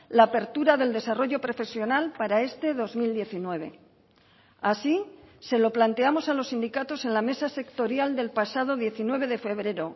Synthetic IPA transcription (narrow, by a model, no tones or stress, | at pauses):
laːpe̞ɾt̪uɾaðe̞ld̪e̞saro̞ʝo̞pɾo̞fe̞sjo̞nalpaɾae̞st̪e̞ðo̞zmild̪je̞θinwe̞β̞e̞̰ | asise̞lo̞plant̪e̞amosalo̞sːind̪ikat̪o̞se̞nlame̞sase̞kt̪o̞ɾjald̪e̞lpasað̞o̞ðje̞θinwe̞β̞e̞ð̞e̞fe̞βɾe̞ɾo̞